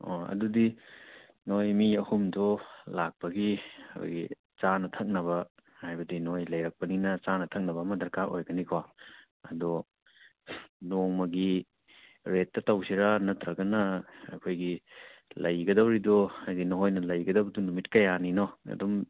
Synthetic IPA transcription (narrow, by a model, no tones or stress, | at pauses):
oɐ̰dudi | nojmiɐhumdɔlak̚pɐɡikʰo̰jɡi | t͡ʃanɐtʰɐk̚nɐβɐ | hajbɐdinojlɐjɾɐk̚pɐninɐt͡ʃanɐtʰɐk̚nɐbɐmɐdɐɾkaɾʔojɡɐnikʰo | ɐ̰dɔ | noŋmɐɡi | ɾetːɐtawsiɾanɐtɾɐɡɐnɐɐ̰kʰojɡilɐjɡɐdawɾidɔajdinoɦojnɐlɐjɡɐdɐwbɐdunumitkɐjaninɔɐ̰dɔm